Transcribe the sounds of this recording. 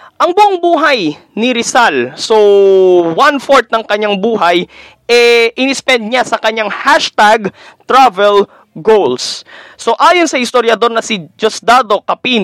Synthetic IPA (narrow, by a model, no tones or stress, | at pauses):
ʔɐŋbʊʔoŋbuːɦɐjnɪɾɪsalso | wanfoɹt̪̚nɐŋkɐɲːaŋbuːɦɐj | ʔɛʔɪnɪspɛnd̪̚ɲasɐkɐɲaŋhaʃt̪aɡt̪ɾavɛl | ɡowlsso̞ʔaːjonsɐhɪst̪oɾjɐd̪o̞ɾnɐsɪd͡ʒosd̪aːd̪o̞kɐpiːn